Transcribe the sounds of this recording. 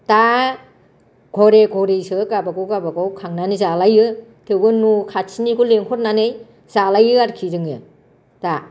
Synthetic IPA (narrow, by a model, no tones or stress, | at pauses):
ta | ɡ̥ʱɔɾeɡʱɔɾesɯkabakɯwkabakawkʰaŋnanizalajɯ | tʰewbɯnukʰatsʰinikʰuleŋkʰɔɾnanej | z̥alajɯaɾkʰizɯŋɯ | ta